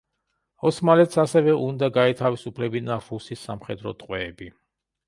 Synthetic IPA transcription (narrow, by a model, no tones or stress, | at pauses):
ɔsmalɛt̪sasɛvɛʔund̪aɡaɛt̪ʰavisupʰlɛbinaɾusisːa̰mχɛd̪ɾɔ̰t̪ʼqʼwɛːbi